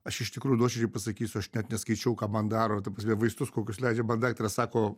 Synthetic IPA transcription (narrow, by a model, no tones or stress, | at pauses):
ɐʃɪʃt̪ʲɪkɾuːjʊd̪oːʃʲɛd͡ʒʲɛɪpɐsɐkʲiːsʲʊɐʃnʲɛt̪nʲɛskɐɪt͡ʃʲɛʊkɑːmɐnd̪ɑːɾoːt̪ɐprɐs̬ʲmʲɛɪʋɐɪst̪ʊskoːkʲʊslʲɛɪd͡ʒʲɛmɐnd̪ɑːkt̪ʲɾʲɐsɑːkoː